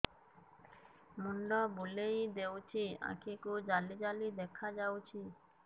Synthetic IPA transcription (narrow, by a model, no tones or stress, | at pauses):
muɳɖɔbolejd̪ewt͡ʃʰia̰kʰekud͡ʒalid͡ʒalid̪ɛkʰad͡ʒawt͡ʃʰi